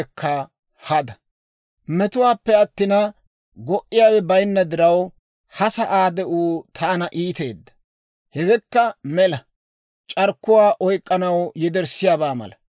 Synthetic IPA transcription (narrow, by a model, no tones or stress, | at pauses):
kʰːɐ | hɐd̪ɐ | mɛt̪ʊwaːpːɛɐt̪ːɪnɐ | ɡɔʔːɪjaːwɛbɐjnːɐd̪ɪɾɐw | hɐsɐʔaːd̪ɛʔuːt̪ʰaːnɐʔiːt̪e̞ːd̪ːɐ̥ | hɛwɛkːɐmɛlɐ | t͡ʃʼɐɾkːʊwaːʔɔjkʼːɐnɐwjɛd̪ɛɾsɪjaːbaːmɐ̰lɐ